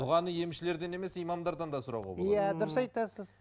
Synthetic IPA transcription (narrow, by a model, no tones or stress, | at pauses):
bʊʁɑnəje̞mʃɪle̞ɾd̪e̞ne̞me̞sijmɑmd̪ɑɾd̪ɑnd̪ɑsʊɾɑ̰wʁɑ̰b̰jæd̪ʊɾəsɑjt̪ɑsəz̥